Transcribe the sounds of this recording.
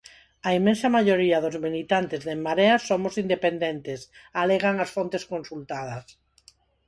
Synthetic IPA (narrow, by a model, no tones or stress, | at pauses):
aimẽnsɐmaʎoɾiaðʊzβinit̪ant̪ezðemːaɾeasːomosind̪epend̪ent̪esaleɣaŋasfont̪eskonsult̪að̞ɐs